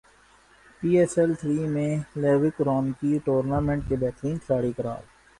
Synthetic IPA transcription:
piːɛːsɛlt̪ʰɾiːmẽleːʋɪkɾɔːnkiʈoːɾnaːmẽːɳʈ̚kebɛːt̪ɾĩːnkʰlaːɽikəɾa̰ːl

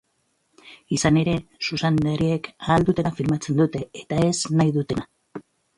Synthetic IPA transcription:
isane̞ɾe̞susand̪aɾie̞kaːld̪ut̪e̞nafilmat͡se̞nd̪ut̪e̞ːt̪ae̞znajðut̪e̞na

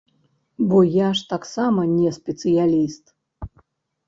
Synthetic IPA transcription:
bɔjaʂt̪aksamɐnʲɛspʲɛt̪sɨjalʲist̪

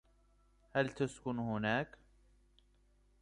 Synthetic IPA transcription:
halt̪askʊnhʊnaːk

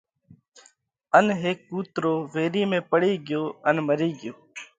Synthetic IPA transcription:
ənɦeːkːuːt̪ɾoːʋeːɾiːmẽːpəɽiːɡɪjoːənməɾiːɡɪjoː

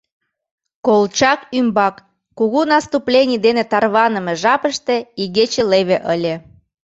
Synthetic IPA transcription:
kolˠt͡ɕɑkymbɑkː | uɣunɑst̪uplʲenʲid̪enet̪ɑrβɑnəmeʒɑpəʃt̪eiɣet͡ɕeleβeʔəlʲe

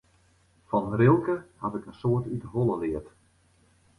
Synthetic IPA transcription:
fɔnrɪlˠkəhatɪkənsoərtytəɦolˠəlɪət

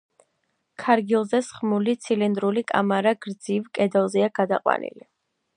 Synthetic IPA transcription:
kʰaɾɡilˠzɛsχmulit̪sʰilind̪ɾulikʼa̰maɾaɡɾd̪zivkʼɛd̪ɔlˠzɛaɡ̥ad̪aqʼwa̰nḭli

